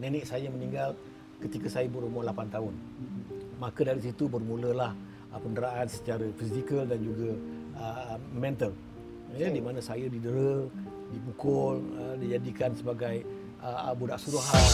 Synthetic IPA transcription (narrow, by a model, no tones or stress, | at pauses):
nɛnɪʔsajəmənĩŋɡal | kət̪ikəsajəbəɾumɔhlapant̪aʊn | makədaɾis̬it̪ubərmuləlah | pəndəɾaʔansə̥t͡ʃaɾəfisikəldand͡ʒuɡəəmɛ̃nt̪əl | jədimanəsajədidəɾə | dibukʊlədid͡ʒadikansəbaɡaj | əbudaʔsuɾuɦa